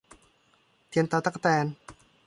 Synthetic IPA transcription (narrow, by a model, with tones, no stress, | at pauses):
pʰi˧ənt̪a˧t̪a˦˥k̚t̪ɛː˧n